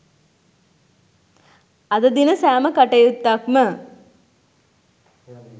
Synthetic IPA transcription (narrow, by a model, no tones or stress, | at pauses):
ɐd̪əd̪inəsæːməkaʈejut̪ːakmə